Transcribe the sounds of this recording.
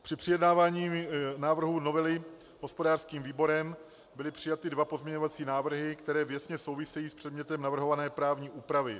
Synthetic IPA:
pr̥ɪpr̥ɪjɛdnaːvaːɲiːnaːvr̩ɦuno̞vɛlɪ | ɦospodaːrskiːmviːbo̞ɾɛm | bɪlɪpr̥ɪjat̪ɪdvapo̞zmɲɛɲovat͡siːnaːvr̩ɦɪkt̪ɛɾɛːvjɛsɲɛso̞wvɪsɛjiːspr̥ɛdɲɛt̪ɛmnavr̩ɦo̞vanɛːpɾaːvɲiːʔuːpɾavɪ

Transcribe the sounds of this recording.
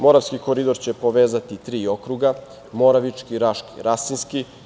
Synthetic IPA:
mo̞ɾafskikoɾid̪o̞ɾt͡ɕe̞po̞ʋeːzat̪it̪ɾiːo̞kɾuɡa | mo̞ɾaʋit͡ʃkiɾaʃki̥̰ɾasinski

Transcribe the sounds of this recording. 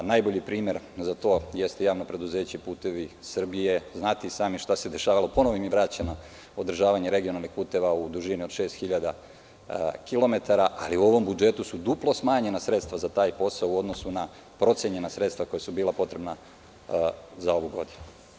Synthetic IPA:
najbo̞ʎipɾiːmje̞ɾ | zat̪o̞ːje̞st̪ejaːʋnopɾe̞d̪uzeːt͡ɕepuːt̪e̞ʋisr̩bije̞znaːt̪isaːmiʃt̪ase̞d̪e̞ʃaːʋalopo̞noʋimiʋɾat͡ɕano | od̪r̩ʒaːʋaɲeɾe̞ɡijo̞nalnixpuːt̪e̞ʋaud̪uʒinio̞d̪ʃeːst̪xiʎad̪a | kilˠo̞me̞t̪aɾaʔa̰liuo̞ʋo̞mbud͡ʒe̞t̪usud̪uplˠo̞smaːɲe̞nasɾet̪st̪ʋazat̪aːjpo̞saouo̞d̪no̞suna | pɾo̞t̪sjeɲe̞nasɾe̞t̪st̪ʋako̞jesubiːlˠapo̞t̪ɾe̞bna | zao̞ʋuɡo̞̰d̪inu

